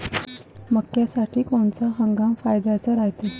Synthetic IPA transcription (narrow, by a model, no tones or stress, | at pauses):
məkːjasaʈʰiːkoɳt͡saɦəŋɡamfajd̪at͡saɾaɦt̪e